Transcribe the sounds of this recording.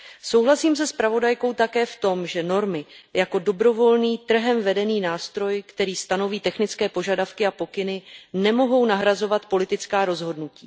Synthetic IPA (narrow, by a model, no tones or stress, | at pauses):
so̞wɦlasiːms̬ɛspɾavo̞dajko̞wt̪akɛːft̪o̞mʒɛno̞ɾmɪjako̞do̞bɾo̞vo̞lniːt̪r̩ɦɛmvɛdɛniːnaːst̪ɾo̞jkt̪ɛɾiːst̪ano̞viːt̪ɛxnɪt͡skɛːpo̞ʒadafkɪapo̞kɪnɪnɛmo̞ɦo̞wnaɦɾazo̞vat̪po̞lɪt̪ɪt͡skaːɾo̞zɦo̞dnucḭː